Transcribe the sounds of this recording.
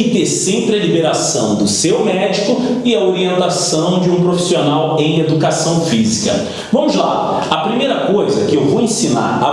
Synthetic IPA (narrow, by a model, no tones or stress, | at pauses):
ɪt̪eɾsẽmpɾɪɐlibeɾasɐ̃w̃d̪ʊsewmɛd͡ʒikʊɪɐoɾiẽnt̪asɐ̃w̃d͡ʒɪũpɾofi̥sionawẽj̃ed̪ukasɐ̃w̃fizikɐ̰ | vɐ̃mʊzla̰ | ɐpɾimejɾɐkojzɐkɪewvowẽsina̰ɾɐ̰